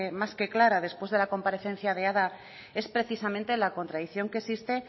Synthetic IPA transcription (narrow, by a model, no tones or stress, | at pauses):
emaske̞klaɾað̞e̞spwe̞zðe̞lako̞mpaɾe̞θe̞n̟θjaðeaða | e̞spɾe̞θisamẽnt̪e̞lako̞nt̪ɾaðiθjo̞ŋkesist̪e̞